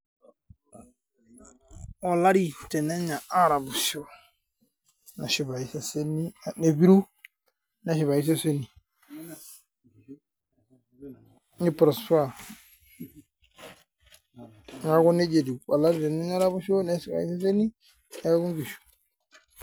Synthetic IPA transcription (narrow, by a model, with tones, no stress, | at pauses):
o˨la˦ɾi˨tɛ˨ne˦ɲa˨a˦ɾa˨bʊ˨ʃo˦ | na˨ʃi˨ba˨i˨sa˦se˦ni˦˨ne˨bi˦ɾu˦ | na˨ʃi˨βa˨ji˦s̬a˦se˦ni˨ | ni˦pɾɔ˨su˦a˦˨ | ŋa˨˦ɡu˦ne˦d͡ʒe˨di˨o˨la˦ɾi˦˨tɛ˨ne˦ɲa˦ɾa˦bu˦ʃo˦ne˨˦si˨ba̰˨ḭ˦s̬a˦s̬e˦ni˦ | ne˨a˦ɡu˦ɡi˨ʃu̥˨